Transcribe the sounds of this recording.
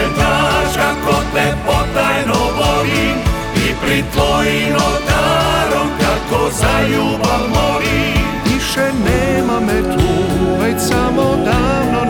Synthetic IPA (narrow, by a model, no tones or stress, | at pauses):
t̪aʒakɔt̪ɛpɔt̪ːajnovɔli | ipɾit̪vɔjinɔt̪aɾɔmkakɔzajuːvalmɔli | iʃɛnɛmamɛt̪uuvɛtʲsamod̪ano